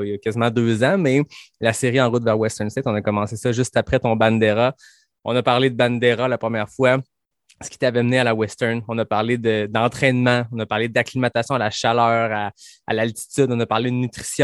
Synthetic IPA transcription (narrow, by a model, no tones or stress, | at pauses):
jakʲazimɑ̃d̪øːzɑ̃mɛlaseʁiɑ̃ʁʊt̪vɛːʁwɛst̪ɛʁnsɪt̪ɔ̃nəkɔmɑ̃sesʌʒyst̪apχɛt̪ɔ̃bãnd̪eʁa | ɔ̰̃nʌpaʁled̪əbãnd̪eʁalapχəmjɛːʁfwa | sə̥kʲi̥e̥t̪avɛmnealawɛst̪ɛnɔ̃nʌpaʁled̪əd̪ɑ̃t̪χɛnmɑ̃ɔ̃nʌpaʁled̪aklimat̪asjɔ̃alaʃalœːʁa̰ːlalt̪i̥t̪yd̪ɔ̃nəpaʁled̪ənyt̪χi̥sjɔ̃